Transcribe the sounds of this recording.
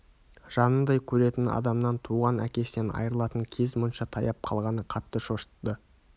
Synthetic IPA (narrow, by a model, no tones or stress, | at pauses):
ʒ̥ɑnənd̪ɑjkʲʰɵɾe̞t̪ɪnɑ̰d̪ɑmnɑnt̪ʰuʁɑnæ̰kʲe̞sɪnenɑ̰jəɾəlˠɑt̪əŋkʲʰe̞zmʊnʃɑt̪ʰɑjɑp̚qʰɑ̰lˠʁɑnəqʰɑt̪ːəʃo̞ʃt̪ːə